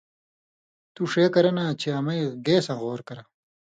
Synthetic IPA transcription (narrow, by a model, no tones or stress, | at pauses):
t̪uʂeːkɐɾɐnat͡ɕʰeɐmɐjɡeːsɐ̃ɣoːɾkɐɾɐ